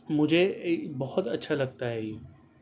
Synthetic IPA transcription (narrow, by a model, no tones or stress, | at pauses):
mʊd͡ʒʱebɔhʊt̪ɐtːʃʰalɐɡ̚t̪aɦɛiː